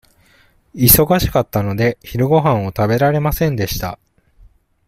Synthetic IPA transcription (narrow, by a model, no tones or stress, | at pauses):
iso̞ɡaɕi̥kat̪ːano̞d̪e̞çiɾɯ̟ɡo̞ɦãɰ̃o̞t̪abe̞ɾaɾe̞masẽ̞nd̪e̞ɕi̥t̪a̰